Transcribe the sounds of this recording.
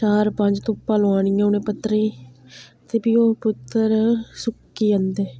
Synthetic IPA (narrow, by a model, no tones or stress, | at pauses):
t͡ʃaːɾpə̃ɲd͡ʒt̪õːpaːlõaːɳ̃iːɛ̃ːʊnẽːpət̪ːɾẽ | t̪eːbioːpʊt̪ːəɾsʊkːiːənd̪eː